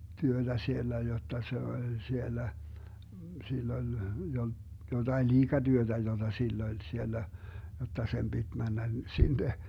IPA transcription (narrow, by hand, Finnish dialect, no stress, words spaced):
tyød̥æ sielːæ jotːɑ se olʲ sielːæ silː olʲ jotɑin liːɡ̊ɑd̥yød̥æ jod̥ɑ silː olʲ sielːæ jotːɑ sem b̥id̥ mænːæ sinːe